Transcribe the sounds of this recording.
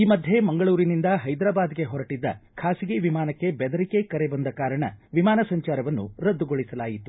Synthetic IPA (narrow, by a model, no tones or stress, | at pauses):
iːmɐd̪ʱje̞mɐŋɡɐɭuːɾinind̪ɐɦɐjd̪ɾaːbaːd̪ɡe̞ɦɔɾɐʈid̪ːɐ̰kʰaːsiɡeʋimaːnɐkːe̞bɛd̪ɐɾikekɐɾe̞bɐnd̪ɐkaːɾɐɳɐ̰ʋimaːnɐsɐɲt͡ʃaːɾɐʋɐnːuɾɐd̪ːuɡoɭisɐlaːjit̪u